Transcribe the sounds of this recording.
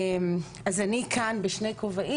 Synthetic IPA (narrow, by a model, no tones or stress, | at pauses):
m | azanikʰanbeʃne̞jkovaʔi